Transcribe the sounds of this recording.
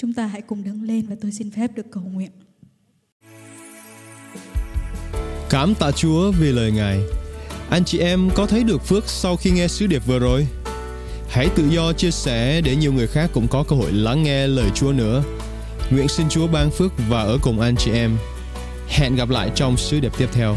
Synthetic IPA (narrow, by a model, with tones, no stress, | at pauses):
t͡ɕʊ˨˦ŋ͡mt̪aː˧ɦa̰˧˥jkʊ˨˩ŋ͡mɗə˨˦ŋle˧nvaː˨˩t̪o˧jsi˧nfɛ˦˥p̚ɗɨ˨˩əkːə˨˩wŋwḭ˧˨ən | kaː˨˦mt̪a̰ː˧˨t͡ɕu˨˦əvi˨˩ləː˨˩jŋaː˨˩jʔa˧jŋ̟t͡ɕḭ˨ʔɛ˧mkɔ˨˦t̪ʰə˨˦jɗɨ˨˩ək̚fɨ˦˥ək̚sa˧wxi˧ŋɛ˧sɨ˨˦ɗi˨˩əp̚vɨ˨˩əzo˨˩j | ha˧˥jt̪ɨ̰˧˨zɔ˧t͡ɕi˧əsɛ˧˩ɗe˧˩ɲi˨˩əwŋɨ˨˩əjxaː˦˥kːʊ̰˧˥ŋ͡mkɔ˨˦kəː˧ho̰˧˨jla˨˦ŋːɛ˧ləː˨˩jt͡ɕu˨˦ənɨ̰˧˥ə | ŋwḭ˧˨ənsi˧nt͡ɕu˨˦əɓaː˧nfɨ˦˥ək̚vaː˨˩ʔəː˧˩kʊ˨˩wŋ͡mʔa˧jŋt͡ɕi˨˩ʔɛ˧m | hɛ̰˧˨nɣa˨˩p̬̚la̰ː˧˨jt͡ɕɔ˧wŋ͡msɨ˨˦ɗi˨˩p̚t̪i˦˥əp̚t̪ʰɛ˧w